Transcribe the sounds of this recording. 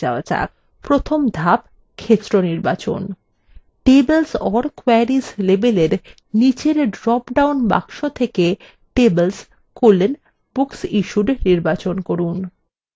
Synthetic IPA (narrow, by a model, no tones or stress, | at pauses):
a̰oad͡ʑa̰ | pɾot̪ʰomd̪ʱab | kʰet̪ːɾoniɾbat͡ɕo̰n | ʈebelsɔɾkoeɾislebeleɾ | nit͡ɕeɾɖɾɔpɖawnba̰kʃot̪ʰeke | ʈebels | kolːen | buksiʃuɖniɾbat͡ɕonkoɾun